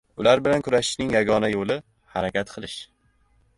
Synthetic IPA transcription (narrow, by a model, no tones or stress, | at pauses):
ʊlaɾbɪlankʰʊɾaʃɪ̥ʃnɪŋjaɡɒnajolɪ | haɾakʲʰat̪qʰɨlˠɪʃ